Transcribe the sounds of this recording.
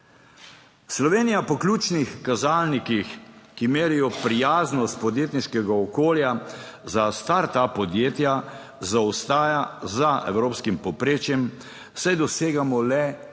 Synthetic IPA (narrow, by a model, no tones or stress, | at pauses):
slɔʋeːnijapɔklʲuːt͡ʃnixkazalnikixkimeːɾijɔpɾijaːznɔst̪̚pɔd̪jeːt̪niʃkɛɡaɔkoːljazast̪aɾt̪apɔd̪jeːt̪ja | zawst̪aːjazaʔɛ̰wɾoːpskimpɔpɾeːt͡ʃjɛm | sajd̪ɔseːɡamɔlɛ